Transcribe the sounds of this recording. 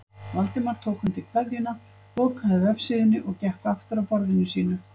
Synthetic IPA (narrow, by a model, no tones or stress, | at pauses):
valt̪ɪmaɾ̥t̪ʰoːwkhʏmt̪ɪkʰvɛðjɪna | poːkʰaɾðaɾɛfsɪðɪnːɪʔɔɣcɛht̪aft̪ʏɾawpɔɾðɪnːʏsiːnʏ